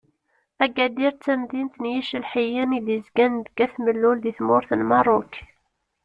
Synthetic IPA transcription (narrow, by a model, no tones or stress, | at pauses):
æɡæd̪iɾt͡sːæmðint̪njiʃəlħijiniðəzɡænd̪ɡæθməlːulðiθmʊɾθənmɑrˤːʊk